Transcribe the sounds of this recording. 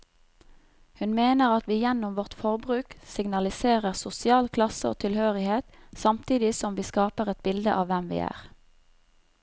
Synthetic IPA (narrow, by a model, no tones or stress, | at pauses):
hʉnmeːnəʁɑt̪ʋiːjɛnʊmʋɔʁt̪fɔʁbʁʉːksɪɡnɑlɪseːʁəʁsʊsɪɑːlkʰlɑsəo̰ːt̪ʰɪlhøːʁɪheːt̪sɑmt̪ʰiːd̪ɪsɔmʋiːskɑːpəʁɛt̪̚bɪld̪əʔɑːʋʋɛmʋḭːæ̰ːʁ